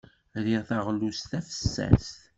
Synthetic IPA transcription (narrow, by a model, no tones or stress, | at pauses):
ɾiʁθaʁlust̪æfə̥sːæ̰st̪